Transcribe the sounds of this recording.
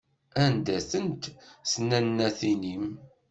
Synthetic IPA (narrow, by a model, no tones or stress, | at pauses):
ænd̪æθənt̪snænːæθinim